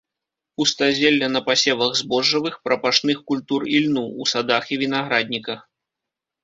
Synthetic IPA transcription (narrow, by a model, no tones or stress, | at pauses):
ust̪azʲelʲːɐnɐpasʲɛvɐɣzbɔʐːɐvɨxpɾɐpaʂnɨxkulʲt̪urilʲnuːsad̪axivʲinaɣɾad̪̚ʲnʲikɐx